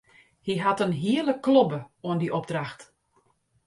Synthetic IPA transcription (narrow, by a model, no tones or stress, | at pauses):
hiɦatənɦiələkːlobəoəndiʔɔb̚draxt